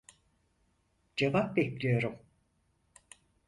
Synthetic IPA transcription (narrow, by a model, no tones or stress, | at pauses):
d͡ʒevap̚bɛclʲijo̞ɾum